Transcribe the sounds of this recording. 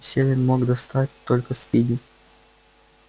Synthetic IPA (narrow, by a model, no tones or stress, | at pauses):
sʲelʲɪnʲmoɡd̪ɐst̪atʲt̪olʲkəspʲidʲɪ